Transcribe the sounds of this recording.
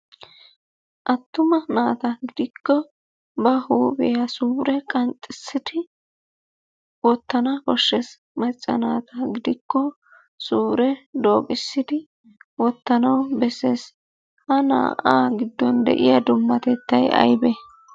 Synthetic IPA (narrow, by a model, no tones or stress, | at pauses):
ʔɐt̪ːʊmɐnaːt̪ɐɡɪd̪ɪkːɔ | bɐhuːbɛjɐsuːɾɛkʼɐnt̪ʼːɪsːɪt̪ɪ | wɔt̪ːɐnɐkɔʃːɛs | mɐt͡ʃʼːɐ̰naːt̪ʰɐɡɪd̪ɪkːɔ | suːɾɛd̪o̞ːkʼɪsːɪd̪ɪ | wɔt̪ːɐnɐwbɛseːs | hɐna̰ːʔaːɡɪd̪ːɔnd̪ɛ̰ʔɪjɐd̪ʊmːɐt̪ɛt̪ːɐjɐ̰jbɛ